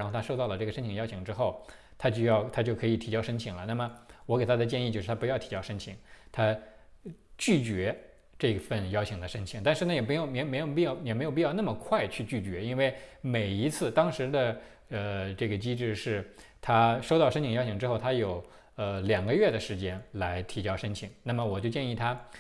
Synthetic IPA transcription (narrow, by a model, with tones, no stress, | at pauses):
nxt̪ʰa˥ʂo˥˧ʊt̪ɑ˥˩ʊlə˩ʈ͡ʂɤ˥˩ɡə˩ʂə˥nt͡ɕʰi˨˩ŋjɑ˥ʊt͡ɕʰi˧˩ŋʈ͡ʂɻ̩˥xo˥˩ʊ | t̪ʰa˥t͡ɕjɑ˥˧ʊt̪ʰa˥t͡ɕjo˥˩ʊkʰɤ˧˥i˨˩t̪ʰi˨˩t͡ɕjɑ˥˧ʊʂə˥ŋt͡ɕʰi˨˩˦ŋlə˦na˥˩mə˩wɔ˧˥ke˨˩ɪt̪ʰa˥d̪ə˨t͡ɕjɛ˥˧ni˥˧t͡ɕjʊʂɻ̩ʰ˥˩a˥pu˧˥jʊt̪ʰi̥˨˩t͡ɕjɑ˥ʊʂə˥ŋt͡ɕʰi˨˧˥ŋt̪ʰa˥ | t͡ɕy˥˩t͡ɕɥɛ˧˥ | ʈ͡ʂɤ˥˩i˧˩fə˥˩njɑ˥ʊt͡ɕʰi˧˩ŋd̪ə˨ʂə˥ŋt͡ɕʰi˧˥ŋt̪a˥˧nʂɻ̩˥˩na˥jɛ˨˩pjo˨˩m˧˥˩me˧˥jo˨˩ʊpi˥˧jɑ˥˧˩ʊjɛ˨˩me˧˥jpi˥˧jn˥˩mə˩kʰwa˥˧ɪt͡ɕʰy˥˧t͡ɕy˥˩t͡ɕɥɛ˧˥i˥nwe˥˩ɪme˨˩ɪi˧˥t͡sʰɹ̩˥˩t̪ɑ˥ŋʂɻ̩˧˥d̪ə˧ | ə˧ʈ͡ʂɤ˥˩ɡə˩t͡ɕi˥ʈ͡ʂɻ̩˥˧ʂɻ̩˥˩t̪ʰa˥ʂo˥ʊt̪ɑ˥˩ʊʂə˥nt͡ɕʰi˧˩ŋjɑ˥ʊt͡ɕʰi˧˩ŋʈ͡ʂɻ̩˥xo˥˩ʊt̪ʰa˥jo˨˩ʊ | ə˧ljɑ˨˩ŋɡə˦ɥɛ˥˩d̪ə˩ʂɻ̩˧˥t͡ɕjɛ˥nla˧˥ɪt̪ʰi˧˥t͡ɕjɑ˥ʊʂə˥nt͡ɕʰi˨˩˦ŋna˥˩mə˩wɔ˨˩t͡ɕjo˥˧ʊt͡ɕjɛ˥˧ni˥˩t̪ʰa˥